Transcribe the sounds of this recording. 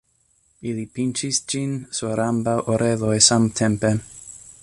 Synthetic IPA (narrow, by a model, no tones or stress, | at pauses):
ilipint͡ʃisd͡ʒinsoɾambawʔoɾʔelojsamtʰempe